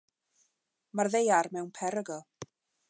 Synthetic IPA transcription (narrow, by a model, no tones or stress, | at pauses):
marðejarmɛwnpʰɛɾəɡɔ